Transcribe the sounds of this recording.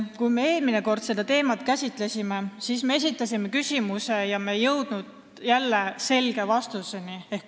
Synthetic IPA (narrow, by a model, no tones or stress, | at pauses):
kujmee̞ːlmine̞ko̞rd̪̥se̞d̪̥ɑt̪e̞ːmɑt̪kæsʲit̪ˑle̞sime̞siːsme̞e̞s̬it̪ˑːɑsime̞kysʲimuse̞jɑmejɤwd̪̥nud̪̥ | jælːe̞se̞lɡ̥e̞vɑst̪use̞niehk